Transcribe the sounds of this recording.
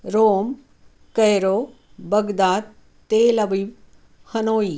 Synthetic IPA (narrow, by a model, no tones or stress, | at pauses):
ɾoːm | kɐjɾoː | bɐɡd̪aːt̪ | t̪eːlɐʋiʋ | hɐnoːi